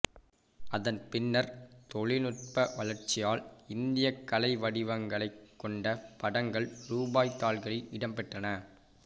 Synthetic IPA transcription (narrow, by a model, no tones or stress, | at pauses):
ɐðɐnpɪnːɐɾt̪ɔɭɪnʊʈ̚pɐʋɐlɐɾt͡ʃɪjaːlɪnd̪ɪjɐkːɐlɐɪʋɐɽɪʋɐŋɡɐɭɐɪkːɔɳɖɐpɐɽɐŋɡɐɭɾuːbaːjt̪ːaːlɣɐɭɪɪɽɐmpɛʈrɐnɐ